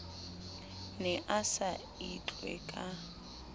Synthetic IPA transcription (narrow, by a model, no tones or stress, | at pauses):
nɛʔasa | it͡ɬʼwɛ̰kʼa